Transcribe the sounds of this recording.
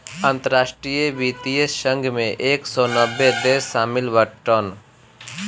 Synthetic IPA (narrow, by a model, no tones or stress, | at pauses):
ə̃nt̪əɾaːʃʈɾijebiːt̪iːesʃə̃ŋɡʱmẽʔeːksɔːnəbːed̪eːsːaːmɪlwəʈən